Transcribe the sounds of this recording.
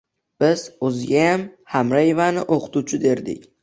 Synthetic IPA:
b̥ɪz̥ɵzɪɡʲajamhamɾajevanɪʔoqʰɨ̥t̪ʰut͡ʃʰɪd̪e̞ɾd̪ɪ̰kʲ

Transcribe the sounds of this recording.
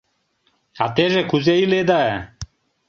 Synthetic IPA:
aːt̪eːzeːkʰʊzeːiːleːd̪aːe

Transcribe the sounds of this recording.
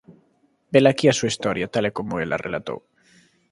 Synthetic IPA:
belakiasuaist̪ɔɾjat̪alekomoelʔa̰rʔelat̪o̰w

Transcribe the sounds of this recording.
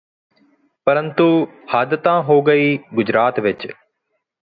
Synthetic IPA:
pɐɾə̃nt̪uhaːd̪ət̪ãːɦoːɡəiːɡʊd͡ʑɾaːt̪ʋɪt͡ʃ

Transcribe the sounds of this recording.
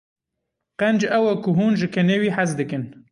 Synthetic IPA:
qɛnd͡ʒɐwɛkʊɦuːnʒɨkʰɛneːwiːħazd̪ɨkɨn

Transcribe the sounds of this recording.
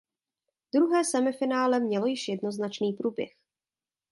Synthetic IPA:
d̥ɾuɦɛːsɛmɪfɪnaːlɛmɲɛlo̞jɪʃjɛdno̞znat͡ʃniːpɾuːbjɛ̰x

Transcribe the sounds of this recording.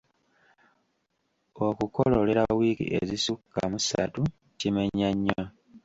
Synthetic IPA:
okukololeɾawiːkḭʔḛzisukːamusa̰tu | cimeɲːaɲːa

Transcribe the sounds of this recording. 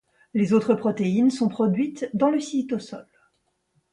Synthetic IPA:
lezot̪χəpχɔt̪einsɔ̃pχɔd̪ɥit̪d̪ɑ̃ləsit̪osɔl

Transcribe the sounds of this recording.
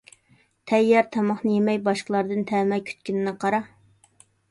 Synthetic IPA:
t̪ʰɛjːɑɾt̪ʰɑmɑχnɨjemɛjbɑʃqəlˠɑɾd̪ɨnt̪ʰɛːmɛjkʲʰy̥t̪kʲynɪnɨqʰɑɾɑ

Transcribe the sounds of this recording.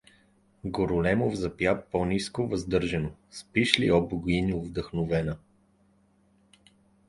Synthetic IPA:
ɡoɾʊlɛmovzɐpjapɔniskovɐzd̪ɤɾʒɛnospiʃlḭɔbɡʊiniovd̪əxnovɛnə

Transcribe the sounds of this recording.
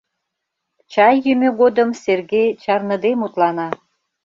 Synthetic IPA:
t͡ɕɑjːymʲøɣod̪əmserɣejt͡ɕɑrnə̆d̪emut̪lɑnɑ

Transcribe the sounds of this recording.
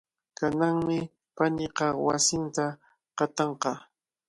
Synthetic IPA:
kanaŋmɪ | panɪqɑwa̰sɪnt̪a | qɑt̪ɑɴqɑ

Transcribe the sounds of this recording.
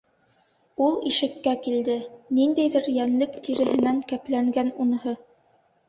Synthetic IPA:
ulˠiʃɘ̆kːækild̪ɘnind̪æjðɘɾjænlɘkt̪ʰiɾɘ̆hɘ̆næŋkæplæŋɡænun̆hɤ

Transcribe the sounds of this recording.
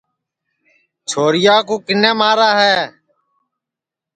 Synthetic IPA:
t͡ʃʰoːɾɪjaːkuːkɪnẽːmaːɾaːɦɛː

